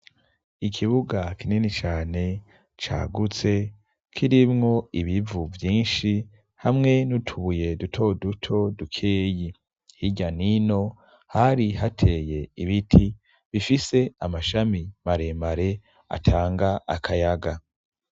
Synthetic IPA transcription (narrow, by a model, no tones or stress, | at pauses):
ikʰiβuɡakʰininit͡ʃaːne̞ | t͡ʃa̰ːɡut͡se̞ | kʰiɾimŋo̞iβivuvjiːnʃi | hamŋe̞nutʰuβuje̞dutʰo̞dutʰo̞dukʰe̞ːji | hiɟanino̞ | haɾiɦatʰe̞je̞iβitʰi | βifise̞amaʃamimaɾe̞maɾe̞ | a̰tʰaːŋɡaʔakʰajaɡa